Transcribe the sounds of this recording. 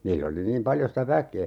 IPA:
niːlː oli niːm pɑljo sitæ ʋækeː

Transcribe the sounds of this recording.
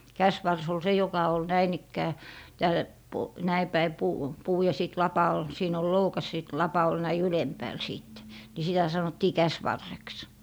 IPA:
kæsʋɑrs ol se jokɑ ol næin ikːæː tæːl po næi pæi puː puː jɑ siˑt lɑpɑ ol siːn ol loukɑs siˑt lɑpɑ ol næi ylempæːl siˑtːe ni sitæ sɑnotːiː kæsʋɑrːeks

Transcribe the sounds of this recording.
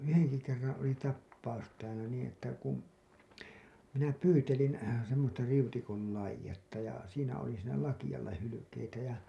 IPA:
yhenki kerːɑ̃ː oli tɑpːɑus tæːlæ niːĩ etːæ kum minæ pyːtelin̞ semːostɑ riutikon̞ lɑijˑetːɑ jɑ siːnæ oli siːnæ lɑkijɑlːɑ hylykeitæ jɑ

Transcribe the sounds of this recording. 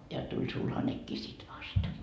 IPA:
jɑ tulʲ sulhɑnekːiː sit ʋɑst

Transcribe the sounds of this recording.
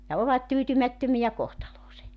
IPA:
jɑ oʋɑt tyːtymætːømijæ kohtɑloːse

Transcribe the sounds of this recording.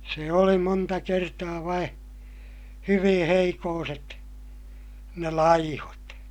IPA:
se oli montɑ kertɑː ʋɑĩː hyʋĩː heikoːset ne lɑihot

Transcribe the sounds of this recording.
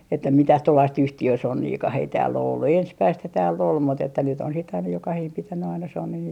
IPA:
etːæ mitæh tuolːɑist yhtiøsonːiːkɑh ei tæːlː o olːu ensmæisthæ tæːlː ol mut etːæ nyt on sit ɑinɑ jokɑhiːm pitænːy ɑinɑ sonːin

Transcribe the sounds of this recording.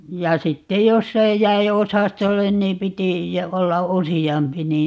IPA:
jɑ sitːej josː ei jæi osɑstolːen niːm piti olːɑ usiɑmpi niːn

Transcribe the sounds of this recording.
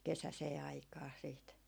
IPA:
kesæseː ɑikɑː siːt

